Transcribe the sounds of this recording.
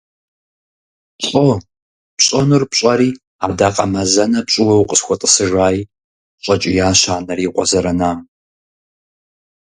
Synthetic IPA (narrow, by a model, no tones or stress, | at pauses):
t͡ʃʼo | pɕʼɐnurpɕʼɐɾiː | aːdaqʼɐmɐzɐnɐpɕʼɪwɐwqʼəsxʷɔtʼəsɨʒaːji | ɕʷʼɐt͡ʃʼɪjaːɕaːnɐriːqʷɔzɐɾɐnaː